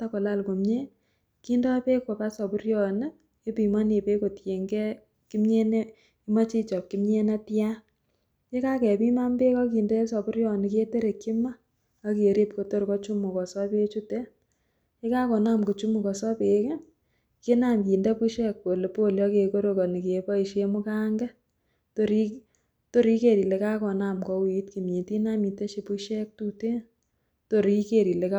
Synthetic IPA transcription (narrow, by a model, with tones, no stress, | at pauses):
ta˦kɔ˨la˦˨lko˨mɲe˦ | ki˦ndɔ˦pe˦kwɔ˨pa˦sɔ˨pu˦ɾjɔ˨n˦ | e˦pi˨ma˦ne˨pe˦ko˨tje˨ŋɡɛ˦ | ki˦mɲe˦ne˦ | i˦ma˦t͡ʃi˦t͡ʃɔ˨kki˦mɲe˦na˦tja˦ | ke˦ka˦kɛ˨pi˦ma˦mbe˦kɔ˦ki˨ndɛ˦sɔ˨pʊ˦ɾjɔ˦ni˨ke˦te˦ɾe˨ki˦maː˦ | ke˨ɾe˦p̚ko˨˦to˦ɾkɔ˦t͡ʃu˦mu˨kɔ˨sɔ˦pe˦t͡ʃu˦te˦ | ke˦ka˦kɔ˨na˦mko˨t͡ʃu˦mu˨kɔ˨sɔ˦pe˨ke˦ | ke˦na˨mkiː˨ndɛ˦pu˦ʃɛ˦k̚po˨le˨po˦˨ljɔ˦ke˨ko˦ɾo˨ko˨ni˨ke˨pa˦i˨ʃe˦mʊ˦ka˦ŋɡɛ˦ | to˨ɾi˦ | to˦ɾi˦ke˨ɾi˨le˨ka˦kɔ˨na˨mkɔ˨wi˨tki˨mɲi˨ti˦na˦mi˨te˦ʃi˨pu˦ʃɛ˦k̚tu˦te˦ | to˨ɾki˦ke˨ɾi˨le˨ka